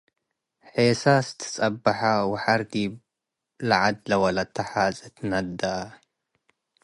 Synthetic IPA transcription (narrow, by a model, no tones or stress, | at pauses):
ħeːsast̪ʰɨ̥sʼɐbːaħawɪħaɾd̪i | laʕad̪lawɐlat̪ʰːaħazʼɨt̪nad̪ːa